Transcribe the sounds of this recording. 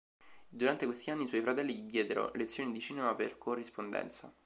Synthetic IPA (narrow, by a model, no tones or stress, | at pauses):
d̪uɾant̪ekwest̪ianːiːswɔjfɾat̪ɛlːiʎid̪jɛːd̪eɾo̰let̪sjoːnid̪it͡ʃiːnemapḛrkʰorːispond̪ɛ̰nt̪sa̰